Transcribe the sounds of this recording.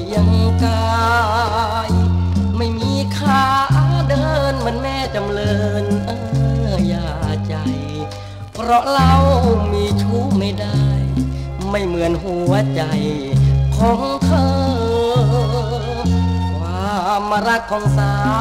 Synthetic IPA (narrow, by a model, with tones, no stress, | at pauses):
ja˧ŋkaː˧ | jma˥˩jmiː˧˥kʰaː˧˩ʔa˧˩wdɤː˧nma˧˥ə˨nmɛː˧˥˩t͡ɕa˨˧mlɤː˧nʔa˧jaː˧˩t͡ɕa˨˩j | pʰɾɔ˧˥la˧wmiː˧˥t͡ɕʰuː˧˥˩k̚ma˧˩jda˧˥˩j | ma˥˩jmɯ˨˩˦ənɦu˧˩ət͡ɕa˨˩jkʰɔː˨˦ŋtʰɤː˧ | waː˧˩ma˧ɾa˦˧˥k̚kʰːɔː˨˦ŋsaː˧˩